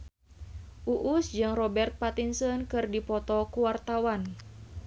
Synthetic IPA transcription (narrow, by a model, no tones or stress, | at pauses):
ʔuʔusd͡ʒɨŋrɔbɛrt̪̚pat̪insənkɨrdipɔt̪ɔkuwart̪awan